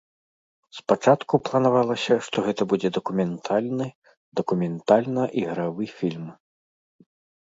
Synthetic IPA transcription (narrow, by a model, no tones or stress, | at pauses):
spat͡ʂat̪kuplˠɐnavalˠɐsʲɐʂt̪ɔɣɛt̪ɐbud͡zʲɛd̪ɐkumʲɛnt̪ʰalʲnɨ | d̪ɐkumʲɛnt̪alʲnɐʔiɣɾavɨfʲilʲm